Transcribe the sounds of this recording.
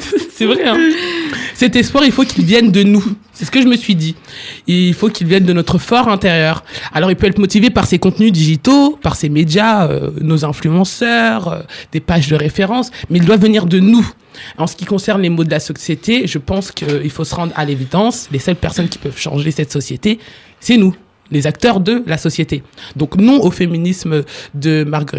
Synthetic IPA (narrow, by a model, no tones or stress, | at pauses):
sɛvʁɛ̃ | sɛt̪ɛspwaʁilfokʲilvjɛnd̪ənu | sɛsə̥kəʒəməsɥid̪iilfokʲilvjɛnd̪ənɔt̪χəfɔʁɛ̃t̪eʁjœʁalɔʁilpøɛt̪χəmɔt̪ivepaʁsekɔ̃t̪nyd̪iʒit̪opaʁsemed̪jaø̰nozɛ̃flyɑ̃sœʁød̪̥epaʒd̪əʁefeʁɑ̃smɛild̪wavːəniʁd̪ənu | ɑ̃sə̥kʲikɔ̃sɛʁnlemod̪əlasɔsjet̪eʒəpɑ̃skʰəilfosəʁɑ̃d̪ʁa̰levid̪ɑ̃slesœlpɛʁsɔnkʲi̥pœv̥ʃɑ̰̃ʒesɛt̪sɔsjet̪e | sɛnu | lezak̚t̪œʁd̪əlasɔsjet̪ed̪ɔ̃knɔ̃ofeminismd̪əmaʁɡøʁit̪